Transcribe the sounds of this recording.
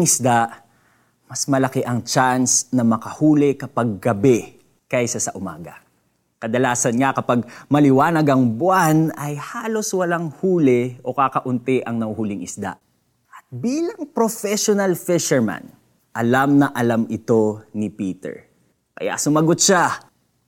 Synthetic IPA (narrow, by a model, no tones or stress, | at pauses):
ŋɪsd̪aʔ | mɐsmɐlɐkɛʔɐŋt͡ʃansnɐmɐkɐhuːlɪkɐpɐɡ̚ːɐbɛ | kɐjsɐsɐʔʊma̰ːɡɐ̰ | kɐd̪ɐlaːsɐnŋakɐpaɡ̚mɐlɪwaːnɐɡɐŋbʊanɐjhaːlo̞swɐlaŋhuːlɪʔo̞kakɐʔʊnt̪ɪʔɐŋnɐhɦuːlɪŋʔɪsd̪a̰ʔ | ʔɐt̪̚biːlɐŋpɾofɛʃonɐlfɪʃɛɹma̰n | ʔɐlamnɐʔɐlamɪt̪o̞nɪpiːt̪ɛ̰ɹ | kɐ̰ja̰sʊmɐɡot̪̚ʃa